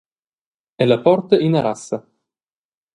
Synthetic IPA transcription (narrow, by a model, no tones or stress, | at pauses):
ɛlapɔrt̪eʔinaɾasːa